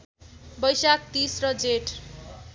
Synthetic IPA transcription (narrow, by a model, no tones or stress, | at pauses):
bʌjsak̚t̪isrʌd͡zeʈ